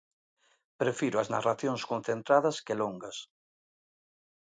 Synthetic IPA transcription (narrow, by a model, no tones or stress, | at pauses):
pɾefiɾʊɐzna̰raθjoŋskon̟θent̪ɾaðɐskeloŋɡɐs